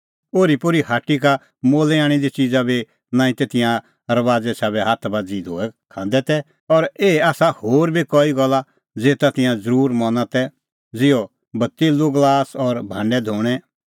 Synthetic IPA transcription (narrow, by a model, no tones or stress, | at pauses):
oːɾipʊɾihaːʈːika | moːlɛaːɽ̃id̪it͡ʃiːd͡zabʱi | nãːĩt̪et̪ɪ̃jã | ɾɐʋaːd͡zɛsaːbɛɦaːt̪ʰbaːd͡zid̪ʱo̰ːɛkʰãːn̆d̪ɛt̪ɛ | ɔɾeːaːsahoːɾbʱikɔːiɡɔla | d͡zeːt̪at̪ɪ̃jãd͡zəɾuːɾmɔnãt̪ɛ | d͡zɪjɔ | bɐt̪ːɪlːoɡlaːsɔɾbʱãːɳɖɛd̪ʱoːɽ̃ɛ